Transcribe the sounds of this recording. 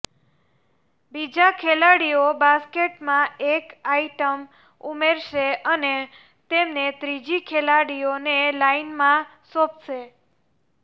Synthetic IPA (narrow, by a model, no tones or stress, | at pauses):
bid͡ʒakʰelaɽiobaskeʈmãekaiʈəm | umeɾʃeəne | t̪emnet̪ɾid͡ʒikʰelaɽionelainmã | sopʃe